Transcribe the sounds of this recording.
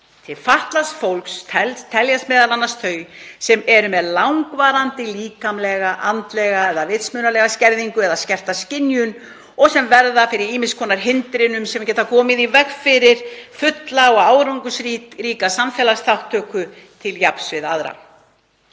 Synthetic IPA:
t̪ʰɪlfaht̪lasfowlkst̪ʰɛlst̪ʰɛljasmɛːðalanːast̪ʰœːɥjsɛmɛɾʏmɛðlawŋkvaːɾant̪ɪliːkamlɛɣaʔant̪lɛɣaɛðavɪt̪smʏːnalɛɣascɛɾðiŋkʏɛðascɛr̥t̪ascɪnjʏn | ɔɣsɛmvɛɾðafɪɾɪɾiːmɪskʰɔːnaɾ̥ɦɪnt̪ɾɪnʏmsɛmcɛːt̪akʰɔːmɪðivɛxfɪɾɪɾ̥fʏt̪laɔɣaːwɾawŋkʏsɾiɾiːkasamfɛlast̪ʰawht̪ʰːœːkʏt̪ʰɪljapsvɪðaðɾa̰

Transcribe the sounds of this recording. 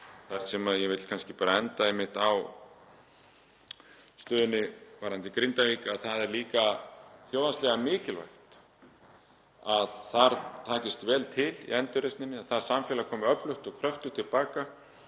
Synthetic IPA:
θaɾ̥sɛmaðjɛvɪt̪l̥kʰanscɪpaːɾaɛnt̪aɛjmːɪht̪aw | st̪ʏːðɪnːɪvaɾhant̪ɪkɾɪnt̪aviːkaðθaðɛɾliːkaθjoːwðanst̪lɛɣamɪːcɪlva̰jxt̪ | aðθaɾt̪ʰaːcɪst̪vɛːlt̪ʰɪlḭɛnt̪ʏɾejst̪nɪnːɪaðθḁsamfjɛːlakʰɔːmʏœplʏht̪ɔɣkʰɾœft̪ʏt̪ʰɪlpaːka

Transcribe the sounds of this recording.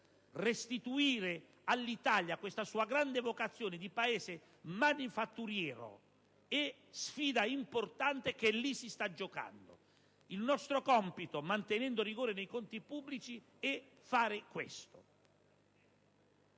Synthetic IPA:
rest̪it̪uiːɾe | alːit̪aljakwest̪asuːaɡɾand̪evokat̪sːjoːnɪd̪ipaɛːze | manifat̪ːuɾjɛːɾo̰ | ɛ | sfiːd̪aimport̪ant̪ekelːisist̪ad͡ʒːoka̰nd̪o̰ | ilnɔst̪ɾokɔmpit̪omant̪enɛnd̪oriɡoːɾenejkont̪ipubːlit͡ʃi | ɛ | faːɾɪkwḛst̪o

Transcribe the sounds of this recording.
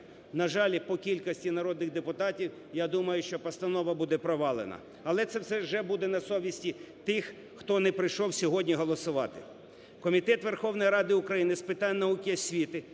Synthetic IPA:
nɐʒɑlʲpɔkʲilʲkɐsʲtʲinɐɾɔd̪nɪɣd̪epʊt̪ɑtʲiw | jad̪umɐjʊʃt͡ʃɔpɐst̪ɐnɔʋɐbud̪ɛpɾɔʋɑlˠḛnɐ̰ | ɐlˠɛt̪sɛwsɛʒɛbud̪ɛnɐsɔʋʲisʲtʲi | t̪ɪxː | t̪ɔnɛpɾɪjʃɔwsʲɔɦɔdʲnʲiɦɔlˠɔsʊʋɑt̪ɪ | kɔmʲit̪ɛt̪ʋerxɔwnɔjɾɑd̪ɪʊkɾɐjinɪspɪt̪ɑnʲnɐukɪɐsʲʋʲit̪ɪ

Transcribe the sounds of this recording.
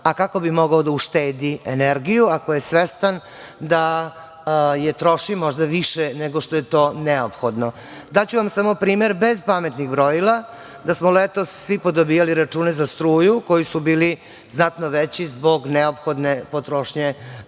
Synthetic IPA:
akako̞bimoɡaod̪auʃt̪eːd̪ieneɾɡijuakojesʋest̪an | d̪a | jet̪ɾo̞ʃimoʒd̪aʋiʃeneɡo̞ʃt̪o̞jet̪o̞ːneopxo̞d̪no | d̪at͡ɕuʋamsamopɾiːme̞ɾbe̞zpamet̪niɣbɾojilˠa | d̪asmolet̪o̞sːʋipod̪obiːjaliɾat͡ʂuːne̞zast̪ɾuːjuko̞jisubiːli | znat̪noʋet͡ɕizbo̞ɡneopxo̞d̪nepot̪ɾoʃɲe

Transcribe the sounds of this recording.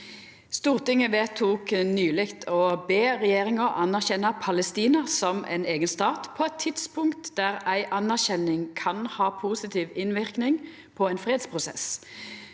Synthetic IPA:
st̪uːʁt̪ɪŋəʋeːt̪ʰːuːknyːlɪkt̪ʰɔbeːʁɛjeːʁɪŋəɾʔɑnæʁçɛnːɑpʰɑləst̪iːnəʁsɔmʔɛ̰neːɡənst̪ɑːt̪pʰɔɛt̪ʰːɪd̪spʊŋkt̪d̪æʁæɪʔɑnæʁçɛnɪŋkʰɑnhɑːpʰuːsɪt̪ʰiːʋɪnʋɪʁknɪŋ | pʰɔæɪnfʁeːd̪spʰʁʊsɛ̰s

